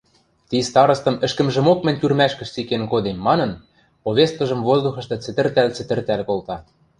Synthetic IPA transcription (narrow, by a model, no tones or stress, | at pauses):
t̪ist̪ɑɾɤ̆st̪ɤ̆mɘ̆ʃkɘ̆mʒɘ̆mok̚mɘ̆nʲt̪ʲyrmæʃkɘ̆ʃt͡sikenkod̪emːɑnɤ̆n | poβʲest̪̚kɤ̆ʒɤ̆mvozd̪uxɤ̆ʃt̪ɤ̆t͡sɘ̆t̪ɘ̆rt̪ælt͡sɘ̆t̪ɘ̆rt̪ælkolt̪ɑ